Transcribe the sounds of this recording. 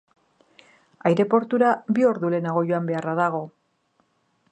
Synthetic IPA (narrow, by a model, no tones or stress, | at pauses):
ajɾe̞po̞ɾt̪uɾabio̞ɾðule̞naɣ̞o̞joambe̞araðaɣ̞o̞